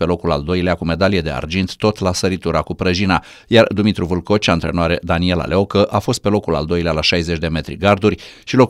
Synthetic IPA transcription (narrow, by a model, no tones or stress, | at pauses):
pe̞lo̞kula̰ld̪o̞jleakume̞d̪alijed̪e̞a̰rd͡ʒint̪ːo̞t̪lasəɾit̪uɾakupɾəʒina | jard̪umit̪ɾuvulko̞t͡ʃaɨnt̪ɾe̞noaɾed̪anie̞la̰lʔeo̞kəʔafo̞s̬t̪̚pe̞lo̞kula̰ld̪o̞jlealaʃajzet͡ʃʲd̪e̞me̞t̪ɾḭɡard̪urʲʃilo̞k